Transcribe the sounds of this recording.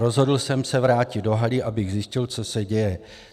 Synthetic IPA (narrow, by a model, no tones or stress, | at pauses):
ɾo̞zɦo̞dl̩sɛmsɛvɾaːcɪd̚do̞ɦalɪʔabɪɣzjɪscɪlt͡sosɛɟɛjɛ